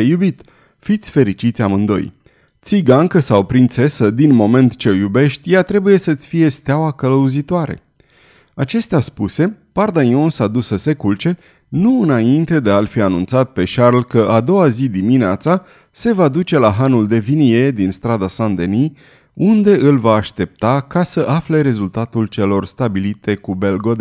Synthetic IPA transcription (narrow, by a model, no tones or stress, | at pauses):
ejubit̪ | fit̪sʲfe̞ɾit͡ʃit̪sʲamɨnd̪o̞̰j | t̪siɡaŋkəsawpɾint̪se̞səd̪inmo̞me̞nt̪t͡ʃeljube̞ʃt̪ʲjat̪ɾe̞buje̞sət̪sʲfije̞st̪eawakələuzit̪oaɾe̞̰ | at͡ʃe̞st̪easpuse̞pard̪aniõnsad̪usəse̞kult͡ʃe̞ | nuɨnaint̪e̞d̪e̞alfianunt̪sat̪̚pe̞ʃarlkəʔad̪o̞wazid̪imineat̪sa | se̞vad̪ut͡ʃe̞laɦanuld̪e̞vinije̞d̪inst̪ɾad̪asand̪eni | und̪e̞ʔɨlvaːʃt̪e̞p̚t̪akasəʔafle̞ɾe̞zult̪at̪ult͡ʃe̞lo̞rst̪abilit̪e̞kube̞lɡod̪